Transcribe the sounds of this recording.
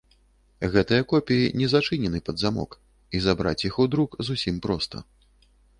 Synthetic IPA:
ɣɛt̪ɨjɐkɔpʲijinʲɛzat͡ʂɨnʲɛnɨpɐd̪zamɔ̰k | izabɾa̰t͡sʲjixud̪ɾukzusʲimpɾɔst̪ʰɐ̰

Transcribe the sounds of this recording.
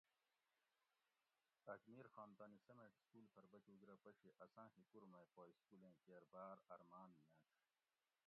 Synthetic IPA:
ɐkmiːɾxaːnt̪aːnisɐmẽːʈskuːlpʰɐɾbɐkuɡɾɐːpɐɕeʔɐsãːɦikuɾmɐjpoːjskulẽːkeːɾbaːɾɐɾmaːnmaːtʰ

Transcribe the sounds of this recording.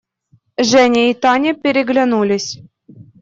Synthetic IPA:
ʒɛnʲeit̪ɑnʲepʲeɾʲeɡlʲanulʲisʲ

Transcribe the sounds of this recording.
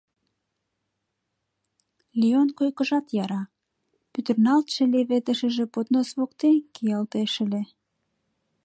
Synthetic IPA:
lionkojkə̆ʒɑt̪jɑɾɑ | pyt̪ərnɑlt̪ʃĕleβet̪ə̆ʃə̆ʒĕpot̪nosβokt̪enkijɑlt̪eʃə̆le

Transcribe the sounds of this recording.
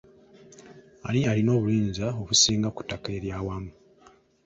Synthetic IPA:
a̰nialino̞ːβuliːnzao̞βusiːŋɡaku̥tːakeːɾjawamu

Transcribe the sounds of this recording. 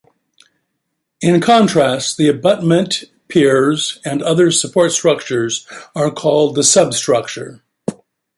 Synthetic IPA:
ɪ̃nkʰɑ̃ntʰɹ̥æstðiɨbʌt̚mɨ̃n | pʰɪɹzɨ̃nʌðə˞səpʰɔɹtstɹ̥ʌk̚t͡ʃə˞zə˞kʰɔlˠd̪̚ðəsʌbstɹ̥ʌk̚t͡ʃə̰˞

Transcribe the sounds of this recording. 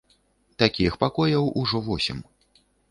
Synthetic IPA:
t̪akʲixpakɔjɐwuʐɔvɔsʲḭm

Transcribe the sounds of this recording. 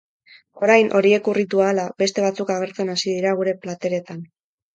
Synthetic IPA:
o̞ɾajnʔo̞ɾie̞kurit̪uaːlabe̞st̪e̞β̞at͡sukaɣe̞ɾt͡se̞nasiðiɾaɣ̞uɾe̞plat̪e̞ɾe̞t̪an

